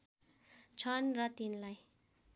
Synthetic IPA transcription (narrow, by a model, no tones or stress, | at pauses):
t͡sʰʌnrʌt̪inlaj